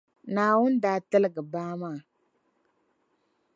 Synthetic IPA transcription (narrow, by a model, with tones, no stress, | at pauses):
na˨wu˦n˦da˨tə˦lɡə˨ba˦ma˦˨